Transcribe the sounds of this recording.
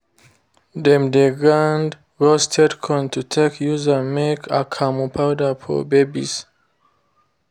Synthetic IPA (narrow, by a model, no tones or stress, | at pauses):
dɛ̃mdeɡɹãnd | ɹɔstʰɛdkʰɔ̃ntʰutʰekʰjuzəmekʰakʰamupʰawdəfɔ̰bebḭz̥